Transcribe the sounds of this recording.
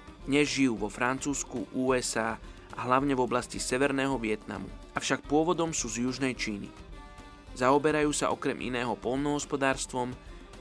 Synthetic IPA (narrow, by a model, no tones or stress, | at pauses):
d̪ɲɛzʒijuːʋɔfɾant͡suːskuʔuːɛzaː | ʔa̰ɦlaʊɲɛvɔblascisɛʋɛɾnɛːɦɔʋɪɛt̪na̰mṵ | afʃak̚pʊɔʋɔd̪ɔmsuːzjuʒnɛjt͡ʃiːnḭ | zaɔbɛɾajuːsa̰ʔɔkɾɛmʔḭnɛːɦɔpɔlnɔɦɔspɔd̪aːɾst̪ʋɔm